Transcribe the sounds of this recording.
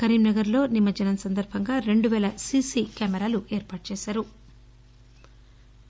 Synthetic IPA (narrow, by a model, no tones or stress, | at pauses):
kɐɾiːmnɐɡɐɾlo̞ːnimɐd͡ʒɐnɐmsɐnd̪ɐɾbʱɐŋɡaːɾe̞ɳɖuʋɛːlɐsisiːkaːmɛɾaːluʔeːɾpaːʈut͡ʃeːsaːɾu